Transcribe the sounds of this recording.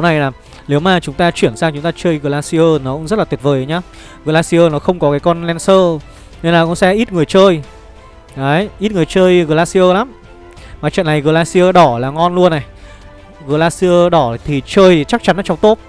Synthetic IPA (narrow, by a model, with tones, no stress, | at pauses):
na˨˩jlaː˨˩ | le˨˦wmaː˨˩t͡ɕʊ˨˦ŋ͡mt̪aː˧t͡ɕwi˧˩ənsaː˧ŋt͡ɕʊ˨˦ŋ͡mt̪aː˧t͡ɕəː˧jɣəː˨˩laː˧si˧əː˧nɔ˨˦kʊ˧˥ŋ͡mzə˦˥tlaː˨˩t̪ət̚vəː˨˩jɲaː˧ | ɣəː˨˩laː˧si˧əː˧nɔ˨˦xə˧wŋ͡mkɔ˨˦kaː˨˦jkɔ˧nlɛ˧nsəː˧ | ne˧nlaː˨˩kʊ̰˨˥ŋ͡msɛ˧ʔi˦˥t̚ŋɨ˨˩əjt͡ɕəː˧j | ʔəː˨˦jʔi˦˥t̚ŋɨ˨˩əjt͡ɕəː˧jɣəː˨˩laː˧si˧ʔəː˧la˨˦m | maː˨˩t͡ɕə̰˧˨nːa˨˩jɣəː˨˩laː˧si˧əː˧ɗɔ˧˩laː˨˩ŋɔ˧nlu˧ənːa˨˩j | ɣə˨˩laː˧si˧ə˧ɗɔ˧˩˨t̪ʰi˨˩t͡ɕəː˧jt͡ɕa˦˥k̚t͡ɕa˨˦nːʔa˨˦t͡ɕɔ˧wŋ͡mt̪o˦˥t̚